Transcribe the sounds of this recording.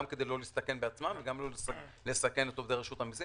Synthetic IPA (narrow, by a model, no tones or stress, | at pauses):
amke̞d̪ejlo̞list̪ake̞nbeat͡smamveɡamlolsle̞sake̞ne̞t̪o̞vd̪eʁeʃuthamizi